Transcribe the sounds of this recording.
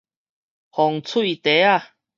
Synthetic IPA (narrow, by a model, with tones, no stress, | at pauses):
hɔ˨ŋt͡sʰu˥˦i˨t̪e˨˦a˧˨